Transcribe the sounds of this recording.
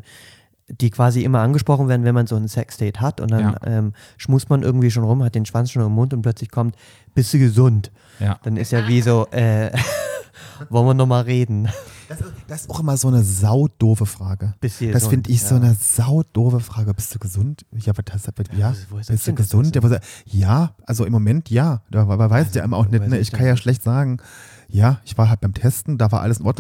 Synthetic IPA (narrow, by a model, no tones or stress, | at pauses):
d̥iːkv̥aːziʔɪmɐʔanɡəʃpʁ̥ɔχn̩veːɐdn̩vɛnmanzoːnsɛksd̥ɛːthatʊ̰nt̚d̥anʔɛ̰ːm | ʃmuːstmanʔɪɐɡŋ̩tv̥iːʃ̬oːnʁʊmhat̚d̥eːnʃv̥ant͡sʃoːnɪmʊntʊntplœt͡slɪçkʰɔmt | b̥ɪstd̥uːɡəzʊnt | d̥anɪstjaːviːzoːʔɛː | vɔlənviːɐnɔχmaːlʁeːdn̩d̥asd̥aɪsaʊxʔɪmɐzoːnəzaʊd̥oːfəfʁ̥aːɡə̥sd̥asffɪndəɪçz̥oːnəz̥aʊd̥oːvəfʁ̥aːɡəbɪstd̥uːɡəzʊntjaːbɐdasvjaːb̥ɪstd̥uːɡəzʊntjaːvzjaːʔalzoʔɪmːomɛntʰjaːd̥aːavavaɪsɪ̥ja̰ːʔɪmɐʔa̰ʊxnɛtnəɪçkkʰanjaːʃlɛçtz̥aːɡŋ̩ | jaːʔɪçv̥aːɐɦalt̚baɪmtʰɛstn̩d̥aːvaɐʔaləsɪn̩ʔɔ̰ɐtn